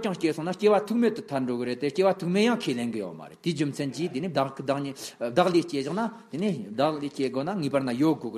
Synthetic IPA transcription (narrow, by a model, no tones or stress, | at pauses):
t͡ɕaŋht͡ɕesʰoŋnaht͡ɕewḁt̪ʰək̚melt̪ən̥t̪ʰarɳɖ͡ʐoɡəɾet̪eht͡ɕewat̪ʰək̚mejaŋkʰelenɡəjo̰ma̰ɾḛlt̪iɦd͡ʑom̥t͡sʰant͡ɕit̪eniɦd̪akd̪aχɲɦd̪aχliht͡ɕeʑaŋnat̪eniɦd̪aχliht͡ɕeɡonaŋiparnajoɦɡoə